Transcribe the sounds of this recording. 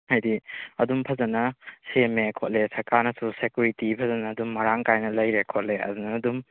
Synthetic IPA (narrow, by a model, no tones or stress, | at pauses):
hajdiɐdumpʰɐzɐnɐsemekʰot̚lesɐɾkaɾnɐsusekjuɾitipʰɐzɐnɐːdumːɐɾaŋkajnɐlɐjɾekʰot̚leɐ̰dunɐːdum